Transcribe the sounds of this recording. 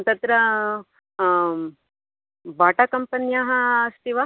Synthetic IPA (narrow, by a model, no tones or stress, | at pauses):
t̪ɐt̪ɾɐ | baːʈakɐmpɐnjaɦɐːst̪iʋa